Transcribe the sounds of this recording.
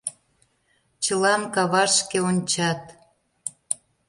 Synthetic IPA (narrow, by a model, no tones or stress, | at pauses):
t͡ɕə̆lɑmkɑβɑʃkeonʲt͡ɕɑt̪